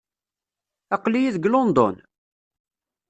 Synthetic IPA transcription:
ɑqlijiðəɡlond̪ˤo̰n

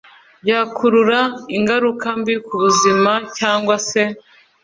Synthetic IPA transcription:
jaːkʰuɾuɾaiŋɡaɾukambikuβuzimacaːŋɡwase̞

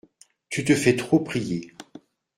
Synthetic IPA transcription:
t̪yt̪əfɛt̪χopχije

